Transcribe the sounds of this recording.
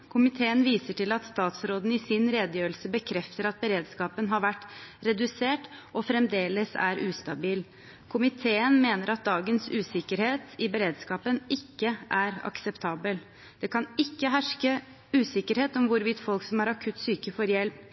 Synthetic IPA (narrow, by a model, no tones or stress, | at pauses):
kʰʊmɪt̪ʰeːənʋiːsəʈɪlɑt̪st̪ɑːt̪sɾoːd̪n̩ɪsɪnɾeːd̪jøːɾəlsəbəkʰɾɛft̪əɾɑt̪̚bəɾeːd̪skɑːpənɦɑɾʋæʈːɾɛd̪ʉseːʈɔfɾɛmd̪eːləsæ̰ɾʔʉːst̪ɑbiːl | kʰʊmɪt̪ʰeːənmeːnəɾɑt̪̚d̪ɑːɡənsʉːsɪkəɾheːt̪ɪbəɾeːd̪skɑːpənɪkːəʔæɾɑ̰ksɛpt̪ʰɑːbəl | d̪̥ɛkʰɑnɪkːəɦæʂkə | ʉːsɪkəɾheːt̪ɔmʋʊɾʋɪt̪ːfɔlksɔmæɾɑkʰʉt̪ːsyːkəfɔɾjɛlp